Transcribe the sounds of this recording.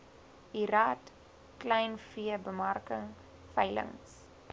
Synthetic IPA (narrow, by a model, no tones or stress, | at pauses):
iɾaːt | klɛjnfiəbəmɐrkəŋ | fɐjlə̰ŋs